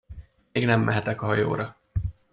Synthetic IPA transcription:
meːɡnɛmːɛɦɛt̪ɛkɒɦɒjo̰ːɾɒ

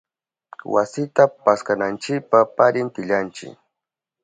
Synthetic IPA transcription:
wa̰sɪt̪apaskanant͡ʃɪk̚papaɾɪnt̪ɪʎant͡ʃɪ̰k

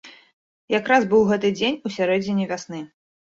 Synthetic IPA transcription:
jakɾazbɨwɣɛt̪ɨd͡zʲenʲusʲaɾɛd͡zʲinʲivʲasnɨ

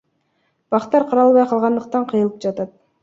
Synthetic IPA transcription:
b̥ɑqt̪ɑɾqʰɑɾɑlˠβɑjqʰɑlˠʁɑnd̪ɯq̚t̪ɑɴqʰɯjɯlˠɯp̚d͡ʒɑt̪ɑt̪̚

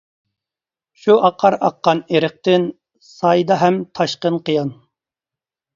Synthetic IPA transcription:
ʃuɑqʰːɑɾɑqːɑneɾəχ̚t̪ɪn | sɑjd̪ɑɦɛmt̪ʰɑʃqənqʰəjɑn

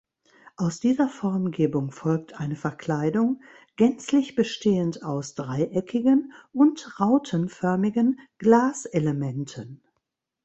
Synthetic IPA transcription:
ʔaʊsd̥iːzɐfɔɐmɡeːbʊŋfɔlk̚tʰʔaɪnəfɛɐkl̥aɪdʊŋ | ɡ̥ɛnt͡slɪçb̥əʃteːəntaʊsd̥ʁaɪʔɛkʰɪɡənʔʊntʁaʊtʰənfœɐmɪɡənɡ̥laːsʔeləmɛntʰən

